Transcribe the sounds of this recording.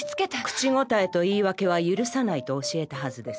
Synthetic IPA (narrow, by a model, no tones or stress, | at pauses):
t͡sɨ̥ket̪akɯ̟̥t͡ɕiŋo̞t̪ae̞t̪o̞iːβake̞β̞ajɯ̟ɾɯ̟sanait̪o̞ːɕie̞t̪aɦazɨd̪e̞s